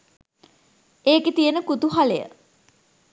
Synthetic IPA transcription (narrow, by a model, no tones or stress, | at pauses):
eːket̪ijənəkut̪uɦalejə̰